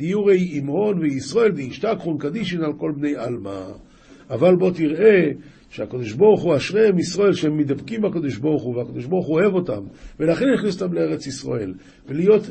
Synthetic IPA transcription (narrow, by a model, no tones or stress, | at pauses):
dijuʁejimho̞nveisʁoe̞ld̪eiʃt̪akχonkad̪iʃinalko̞lbne̞jalma̰ | avalbo̞t̪iʁʔe̞ | ʃeakod̪oʃbo̞ʁχuaʃʁejemisʁae̞lʃehemːid̪abkimbakodoʃbo̞ʁχuveakod̪oʃbo̞ʁχuevo̞ta̰mvelaχe̞nːiχnisot̪amleeʁet͡sisʁa̰e̞̰l | velijo̞t